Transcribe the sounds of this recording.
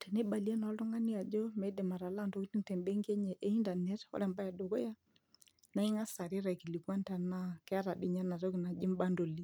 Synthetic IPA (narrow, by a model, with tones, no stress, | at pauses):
tɛ˨ne˦ba˨li˦a˦nɔ˨˦ltʊ˦ŋa˦ni˦a˨d͡ʒo˦mɛ˨˦dɛ˨ma˨ɾa˨la˦˨nto˦ki˦ti˦ŋtɛ˨mbe˦ŋɡe˦ɲɛ˨ʔe˦i˦nda˨nɛ˦tɔ̰˦ɾɛ˨mba˦ja˨do˨ko˦ja˦ | na˦ɪ˦ŋa˦sa˨ɾɪ˦ɾa˨ki˨li˨kwa˦nta˨na˦kɛ˦a˦ɾa˨dɪ˦ɲa˦na˨tɔ˦kɪ˨na˨d͡ʒɪ˦mba˦ndo˨li˦